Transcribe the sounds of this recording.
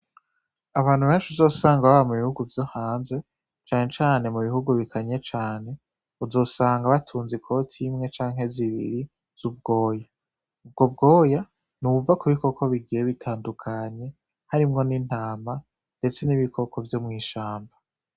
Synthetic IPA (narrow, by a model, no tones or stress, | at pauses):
aβaːnhuβeːnt͡ʃuzo̞ːsaːŋɡaβaβamuβihuɡuvjo̞haːnze̞ | t͡ʃaːɲe̞t͡ʃaːne̞muβihuɡuβikʰaɲe̞t͡ʃaːne̞ | uzo̞ːsaːŋɡaβatʰuːnzikʰo̞tʰimŋe̞t͡ʃaːŋɦe̞ziβḭɾi | z̥ubɡo̞ːja | ub̚ɡo̞bɡo̞ːja | nuvakuβiko̞kʰo̞βiɡijeβitʰaːndukʰaɲe̞ | haɾimŋo̞niːn̥haːma | nde̞t͡se̞niβikʰo̞kʰo̞vjomŋiːʃaːmba